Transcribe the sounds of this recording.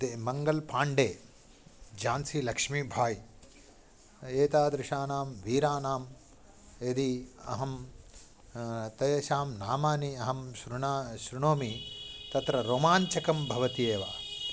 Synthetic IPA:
emɐŋɡɐlpʰaːɳɖeː | d͡ʒaːnsilɐkʂmiːbʱaːj | eːt̪aːd̪ɾɪʂaːnaːmʋiːɾaːnaːm | ed̪iɐ̰ɦɐm | t̪ɐjɐʃaːmnaːmaːniɐɦɐmʃɾuɳaːʃɾuɳoːmit̪ɐt̪ɾɐɾoːmaːɲt͡ʃɐkɐmbʱɐʋɐt̪ijeːʋaː

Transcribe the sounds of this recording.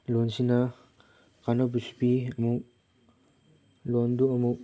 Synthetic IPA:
lonsina | kʰanobusu̥piɐmuk̚ | londuɐmuk̚

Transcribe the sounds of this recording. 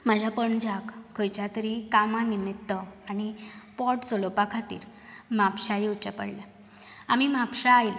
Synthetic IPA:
məd͡ʑʱapəɳd͡ʑʱakkʰːojt͡ɕat̪əɾikamãnimit̪ːəaɽ̃ipɔʈt͡solopakʰat̪ḭːɾ | mapɕajiut͡ɕepə̰ɽlja | amimapɕaːjl

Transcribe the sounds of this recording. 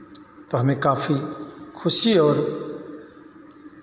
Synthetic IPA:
t̪oːɦəmẽːkaːfiːkʰʊʃiɔːɾ

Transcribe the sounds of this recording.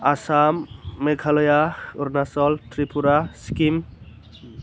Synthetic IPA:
asamːekʰalɔjaʊɾnasɔlt̪ʰɾipuɾaskim

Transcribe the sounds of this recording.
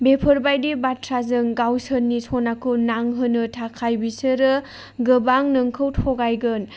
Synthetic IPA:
bepʰɯɾbajdibatʰɾazɯŋɡawsənːisʰɔnakʰɯnaŋɦɯnɯtʰakʰajbisɯɾɯ | ɡɯbaŋnɯŋkʰɯwtʰɔɡajɡɯn

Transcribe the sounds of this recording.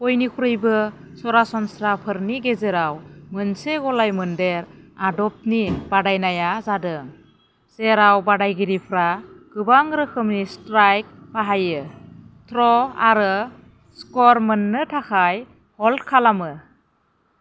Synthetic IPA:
pɔjnikʰuɾɯjbɯ | sɔɾasɔnsɾapʰɯɾniɡezeɾawmɯnseɡɔlajmɯndeɾadɔp̚nibadajnajazadɯŋ | seɾawbadajɡiɾipʰɾaɡ̥ɯbaŋɾɯkʰɯmnistɾajk̚pʰaɦajɯt̪ʰɾɔa̰ɾɯ | skɔɾmənːɯtʰakʰaj | hɔltkʰalamɯ

